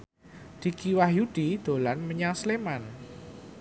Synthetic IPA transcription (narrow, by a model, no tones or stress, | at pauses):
d̪̥i̤kiwahjud̪̥id̪̥o̤lanməɲasleman